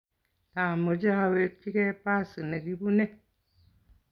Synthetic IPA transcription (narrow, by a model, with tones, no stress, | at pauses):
ta˨mo˨d͡ʒa˦we˦t͡ʃi˦ke˦pa˦˨sɨ˨ne˨ɡi˦bu˦ne˦